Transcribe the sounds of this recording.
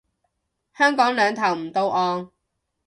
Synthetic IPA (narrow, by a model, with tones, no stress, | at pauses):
hœː˥ŋkɔː˨˥ŋlœː˨˧ŋt̪ʰɐ˨˩wm̩˨˩t̪o˧wʔɔː˧ŋ